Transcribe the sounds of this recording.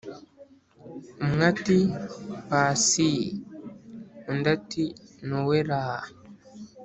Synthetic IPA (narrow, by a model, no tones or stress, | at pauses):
mŋatipaːsi | undatinuweɾaa